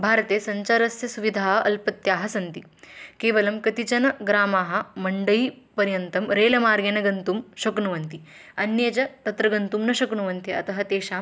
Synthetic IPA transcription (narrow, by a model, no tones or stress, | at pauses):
bʱaːɾɐt̪eːsɐɲt͡ʃaɾɐsjɐsuʋid̪ʱaːɦɐʔɐlpɐt̪jaːɦɐsɐnt̪ikeːʋɐlɐmkɐt̪it͡ʃɐnɐɡɾaːmaːɦɐ̆mɐɳɖɐipɐɾjɐnt̪ɐmɾeːlɐmaːɾɡɐnɐɡɐnt̪umʃɐknuʋɐnt̪i | ɐnjed͡ʒɐt̪ɐt̪ɾɐɡɐnt̪umnɐʃɐkɳuʋɐnt̪iɐ̰t̪ɐɦɐt̪eːʃaː